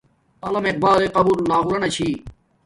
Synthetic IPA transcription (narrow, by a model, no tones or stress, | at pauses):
ɐlɐmeq̚baːleqɐbuɾlaːɦuɾɐnɐt͡ɕʰiː